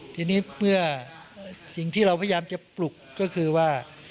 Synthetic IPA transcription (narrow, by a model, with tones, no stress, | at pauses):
t̪ʰiː˧niː˦˥mɯ˥˩ɐ | si˨˩ŋt̪ʰiː˥˩ɾa˧wpʰa˧jaː˧mt͡ɕa˨˩plu˨˩kːɔː˥˩kʰɯː˧waː˥˩